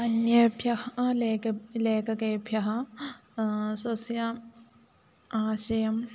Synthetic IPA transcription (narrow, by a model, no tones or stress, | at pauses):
ɐnjɐbʱjɐhlekɐleːkɐkɐbʱjɐɦɐ | sɐsjɐ | aːsɐjɐm